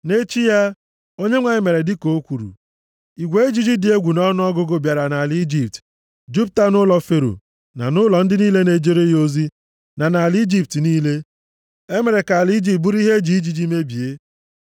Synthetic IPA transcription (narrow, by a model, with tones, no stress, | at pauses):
ne˦t͡ʃi˦ja˦ | o˦ɲe˦ŋʷa˨ɲɪ˦me˨ɾe˨dɪ˦ko˨˦kʷu˨ɾṵ˨ | i˨ɡʷe˨˦e˦d͡ʒi˦d͡ʒi˦dɪ˨˦e˦ɡʷu˨nɔ˦nʊ˦ɔ˦ɡʊ˦ɡʊ˨bja˨ɾa˨na˨li˦d͡ʒi˨p̚t | d͡ʒu˦p̚ta˦nʊ˦lɔ˨fe˨ɾo̰˨ | na̰˨nʊ˦lɔ˨n̩˦dɪ˦niː˦le˦ne˨d͡ʒe˦ɾe˦jo˦zi˦ | na˨na˨ld͡ʒi˦˨p̚tniː˦le˦ | e˦me˨ɾe˨ka˨li˦d͡ʒi˦˨p̚bu˦ɾi˦ɦe˦d͡ʒi˨˦i˦d͡ʒi˨d͡ʒi˦me˦bi˨e˦